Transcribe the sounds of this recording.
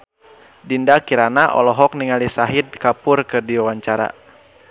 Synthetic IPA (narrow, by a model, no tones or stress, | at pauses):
dindakiɾanaʔɔ̰lɔɦɔk̚niŋalisaɦid̪̚kapʊrkɨrdiwawaɲt͡ʃaɾa̰